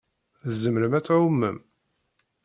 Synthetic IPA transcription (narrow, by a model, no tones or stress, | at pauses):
zəmɾəmæt͡sːʕumːəm